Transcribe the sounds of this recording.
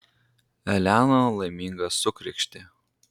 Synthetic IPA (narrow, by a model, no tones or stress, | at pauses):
ɛlʲæːnolˠɐɪmʲiːŋɡɐsʊkɾʲɪkʃʲt̪ʲɪ